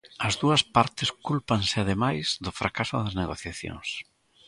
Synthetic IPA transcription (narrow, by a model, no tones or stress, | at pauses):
ɐzðuɐspaɾt̪ɪskulpaŋsɪaðemajsðʊfɾakasʊðɐzneɣoθjaθjo̰ŋs